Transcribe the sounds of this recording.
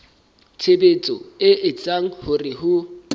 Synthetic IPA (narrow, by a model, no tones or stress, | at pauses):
t͡sʰebet͡sʼɔɪʔɪt͡sʼaŋ̩hʊrɪɦʊ